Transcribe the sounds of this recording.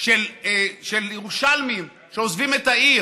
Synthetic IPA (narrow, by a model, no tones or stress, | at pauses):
ʃelʃeljeʁuʃalmim | ʃeozvimetai